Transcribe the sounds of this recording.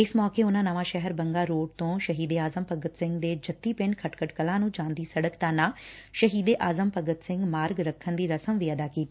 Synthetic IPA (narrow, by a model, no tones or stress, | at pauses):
ɪsmɔːkeːʊnãːnəʋãːʃɛɦɛɾbəŋɡaːɾoːɖt̪õːʃəɦiːd̪eːaːzəmpəɡət̪sɪ̃ŋɡd̪eːd͡ʒət̪ːiːpɪ̃ɳɖkʰəʈkʰəʈkəlãːnũːd͡ʒãːnd̪iːsəɽəkt̪aːnaːʃəɦiːd̪eːʔaːzəmpəɡət̪sɪ̃ŋɡmaːɾɡɾəkʰːənd̪iːɾəsəmʋiːəd̪aːkiːt̪iː